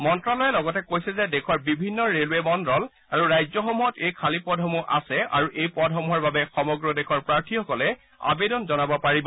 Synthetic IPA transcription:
mɔntɹalɔjɛlɔɡɔtɛkojsɛzɛdɛkʰɔɹbibʱinːɔɹelwemɔndɹɔl | aɹuɹajzɔxɔmuɦɔtejkʰalipɔdʱɔmuʔa̰sɛa̰ɹuʔejpɔdʱɦɔmuɦɔɹbabɛxɔmɔɡɹɔdɛxʰɔɹpɹaɹtʰixɔkɔlɛ | a̰bedɔnzɔnabɔpaɹibɔ

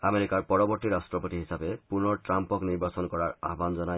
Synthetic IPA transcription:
ameɾikaɹpɔɹɔbɔɹt̪iɾastɹɔpot̪iɦisabepunɔɹʈɹampɔkniɹbasɔnkɔɹaɹa̰ɦbanzɔna

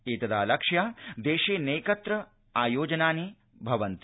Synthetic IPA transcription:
eːt̪ɐd̪aːlɐkʂjaːd̪eːʃeːneːkɐt̪ɾɐ | aːjoːd͡ʒɐnaːni | bʱɐʋɐnt̪

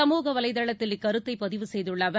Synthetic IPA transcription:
ɐmuːɣɐʋɐlɐɪðɐɭɐt̪ːɪlɪkːɐɾɯt̪ːɐɪpːɐðɪʋɯsɛjðɯɭːɐːʋɐ

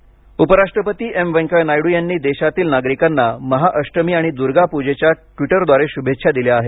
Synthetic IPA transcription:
upəɾaʂʈɾəpət̪iːʔemʋə̃ŋkənajɽujanːiːd̪eɕat̪iːlnaɡɾikanːaməɦaʔəʂʈəmiːaɽ̃id̪uɾɡapud͡ʑet͡ɕjaʈiʈəɾd̪ʋaɾeɕubʱetːɕʰad̪iljaːɦe

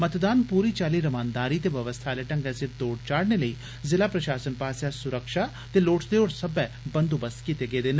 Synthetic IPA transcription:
mət̪d̪aːnpuːɾiːt͡ʃaːliːɾəmãːnd̪aːɾiːt̪eːʋəʋəst̪ʰaːleʈə̃ŋɡɛsət̪̚d̪oːɖt͡ʃaːɽneːləiː | zɪlaːpɾəʃaːsənpaːsjaːsʊɾəkʃaː | t̪eːloːʈd̪eːoːɽsəbɛː | bənd̪uːbəskiːt̪eːɡeːd̪eːn

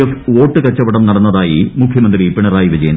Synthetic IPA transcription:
ɐfoːʈːɨkɐt͡ɕːɐʋɐɽɐmnɐɽɐnːɐðaːjimukʰjɐmɐnd̪ripeɳɐraːjiʋɐd͡ʑeːn

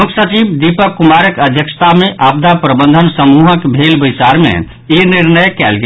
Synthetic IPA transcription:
ukʰsət͡ʃibd̪ipəkːumaɾəkəd̪ʱjəkst̪ameʔab̚d̪ʱapɾəbənd̪ʱənsəmuɦəkbʱelbəjsaɾmḛ | iniɾnəjkɛlɡe

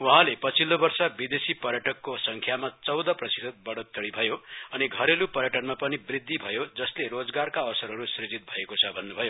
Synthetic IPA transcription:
uɦãlepʌt͡sʰilːobʌrsʌbid̪esipʌrjʌʈʌkːosʌŋkʰjamat͡sʌwd̪ʌprʌsit̪ʌt̪̚bʌɽot̪ːʌɽibʱʌjoʌniɡʱʌɾelupʌrjʌʈʌnmapʌnibrid̪ʱːibʱʌjod͡zʌsleɾod͡zɡarkaʌsʌɾɦʌɾusrid͡zit̪̚bʱʌekot͡sʰʌbʱʌnːubʱʌjo

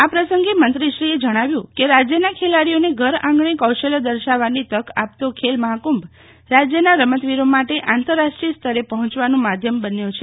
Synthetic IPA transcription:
apɾəsəŋɡemənt̪ɾiʃɾied͡ʒəɽ̃aʋjũkeɾad͡ʒjənakʰelaɽijoneɡʱəɾãŋɡɳikəwʃeləd̪əɾʃaʋanit̪əkʰa̰p̚t̪okʰelməɦakumb | ɾad͡ʒjənaɾəmət̪ʋiɾomaʈeʔant̪əɾːaʃʈɾist̪ʰəɾepəɦɔ̃t͡ʃʋanũmad̪ʱjəmbənjot͡ʃʰe

